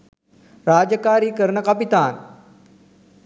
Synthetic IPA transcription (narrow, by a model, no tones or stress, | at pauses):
ɾaːd͡ʑəkaːɾiːkəɾɳəkapit̪aːn